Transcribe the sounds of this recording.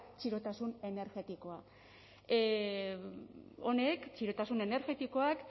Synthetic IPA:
t͡ʃiɾo̞t̪asune̞ne̞ɾɣe̞t̪iko̞a | one̞kt͡ʃiɾo̞t̪asune̞ne̞ɾɣe̞t̪iko̞ak

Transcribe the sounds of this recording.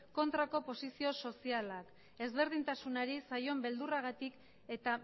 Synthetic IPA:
ko̞nt̪ɾako̞po̞sisio̞so̞sialak | e̞zβe̞ɾðint̪asunaɾisajo̞mbe̞ld̪uraɣat̪ik | e̞t̪a

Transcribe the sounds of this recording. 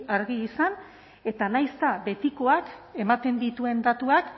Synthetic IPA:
aɾɣiːsan | e̞t̪anajst̪aβe̞t̪iko̞ake̞mat̪e̞nd̪it̪ue̞nd̪at̪uak

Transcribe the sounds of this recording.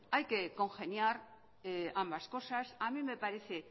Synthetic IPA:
ajkeko̞ŋxe̞njaɾ | eambasko̞sasamĩme̞paɾeθe

